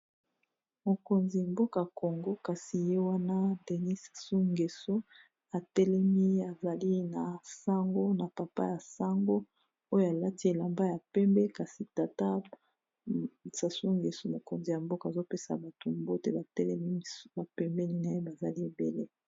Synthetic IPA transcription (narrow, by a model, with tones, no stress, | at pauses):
mo˨ko˨nzi˨mbo˦ka˨ko˨ŋɡo˦ka˨si˨je˦wa˦na˦de˨ni˦sḁ˨su˦ŋɡe˨so˦ | a˨tɛ˦lɛ˦mi˦a˨za˨li˦na˨sa˦ŋɡo˦na˨pa˨pa̰˦ja˨sa˦ŋɡo˦ | o˦jo˦a˨la˦ti˦e˨la˨mba˦ja˨pɛ˦mbɛ˦ka˨si˨ta˨ta˦ | sa˨su˦ŋɡe˨so˦mo˨ko˨nzi˨ja˨mbo˦ka˨zo˦pe˦sa̰˨ba˨to˨mbo˦te˦ba˨tɛ˦lɛ˦mi˦˨ba˨pɛ˦mbɛ˦ni˦na˨je˦ba˨za˨li˦e˨be˨le˦